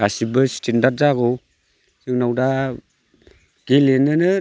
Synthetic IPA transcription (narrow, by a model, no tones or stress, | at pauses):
asibɯsi̥tendaɾ̚zaɡɔw | sɯŋnawda | ɡ̥ilenɯnɯ